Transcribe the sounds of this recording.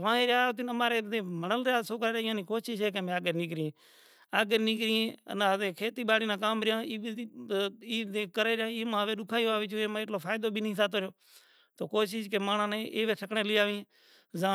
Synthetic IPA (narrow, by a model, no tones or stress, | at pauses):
ʋãːeːɾjaːt̪̬ɪnəmaːɾeːẽːməɳəlɾaːsoːkaːaːɪãːnĩːkoːʃɪʃɦeːk̬emẽːaːɡeɾniːkɾːẽː | aːɡeɾniːkɾiːẽːə̰naːẽːkʰeːt̪iːɓaːɽiːnãːkaːmɾɪjãːiː | iːekəɾeːɾãːiːmãːʋeːɗʊkʰaːjoaːʋiːt͡ʃʰoːeːmãɪʈloːpʰaːjd̪oːbʱiːnĩːsaːt̪oːɾoː | t̪oːkoːʃiʃkeːmaːɳãːnẽːʔeːʋeːʈʰəkɳeːlɪːaːʋĩːẽː | zãː